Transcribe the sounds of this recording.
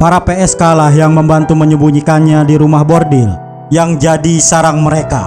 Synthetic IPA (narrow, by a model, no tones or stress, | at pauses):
paɾapeɛskalaɦjaŋməmbant̪uməɲəmbuɲikanɲadiɾumahbɔrdɪl | jaŋd͡ʒadisaɾaŋməɾeka̰